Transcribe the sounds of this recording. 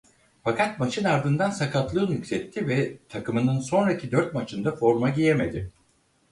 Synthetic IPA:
fakat̪̚mat͡ʃʰɯnaɾd̪ɯnd̪ansakʰat̪lˠɯːnycʲsɛt̪ʰːivɛt̪ʰakɯmɯnɯnso̞nɾacʰid̪øɾt̪̚mat͡ʃʰɯnd̪afo̞ɾmaɟijeme̞d̪ɪ

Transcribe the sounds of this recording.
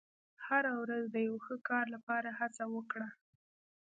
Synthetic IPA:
haɾawɾazd̪əjawxəkɑɾlapɑɾahat͡sawəkɽa

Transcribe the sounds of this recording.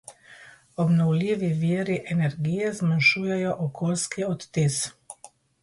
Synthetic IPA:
ɔbnɔwlʲiːʋiʋiːɾiʔɛnɛɾɡiːjɛzmanʃuːjɛjɔʔɔkʰoːlskiɔt̪ːis

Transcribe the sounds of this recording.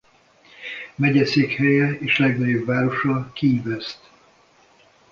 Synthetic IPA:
mɛɟɛseːkhɛjɛeːʃlɛɡnɒɟobvaːɾo̞ʃɒkivɛst̪

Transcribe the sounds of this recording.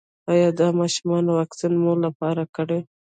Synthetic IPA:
ɑjɑd̪ɑmɑʃumɑnowɑksinmolapɑɾakəɽe

